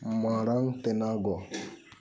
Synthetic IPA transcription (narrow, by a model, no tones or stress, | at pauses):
maɾaŋtenaɡɔ